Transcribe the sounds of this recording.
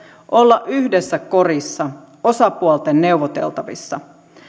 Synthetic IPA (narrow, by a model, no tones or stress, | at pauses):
ʔolːɑʔyhdesːæko̞risːɑ | o̞sɑpuolt̪enːe̞uʋot̪ḛlt̪ɑʋḭsːɑ